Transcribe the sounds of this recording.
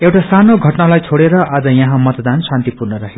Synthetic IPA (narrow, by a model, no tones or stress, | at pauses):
ewʈasanoɡʱʌʈnalajt͡sʰoɽeɾʌad͡zʌjʌɦãmʌt̪d̪ansant̪ipurnʌɾʌɦe